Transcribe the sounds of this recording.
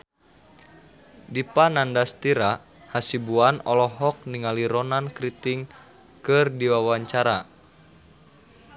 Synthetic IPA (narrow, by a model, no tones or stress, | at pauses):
dipanandast̪iɾa | hasibuanɔlɔɦɔk̚niŋaliɾɔnankɾit̪iŋ | kɨrdiwawaɲt͡ʃaɾa